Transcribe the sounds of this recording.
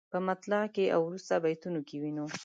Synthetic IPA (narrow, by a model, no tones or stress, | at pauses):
pəmat̪lakeʔa̰wɾust̪abajt̪unokewino